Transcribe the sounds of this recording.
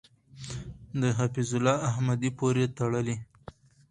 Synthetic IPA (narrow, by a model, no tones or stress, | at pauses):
d̪əɦafizʊlɑahmad̪ipoɾet̪aɽəli